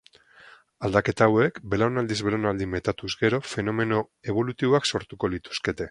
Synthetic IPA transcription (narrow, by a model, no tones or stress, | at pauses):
ald̪ake̞t̪aːwe̞kbe̞lawnald̪izβe̞ɾonald̪ime̞t̪at̪uzɡe̞ɾo̞fe̞no̞me̞no̞ | e̞β̞o̞lut̪iβoakso̞ɾt̪uko̞lit̪u̥ske̞t̪e̞